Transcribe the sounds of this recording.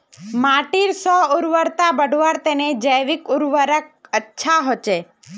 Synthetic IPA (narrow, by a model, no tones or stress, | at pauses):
maʈiɾsɔuɾʋəɾt̪abəɖʱʋaɾt̪ened͡ʒəjʋikuɾʋəɾək̚ətːʃʰaɦot͡ʃe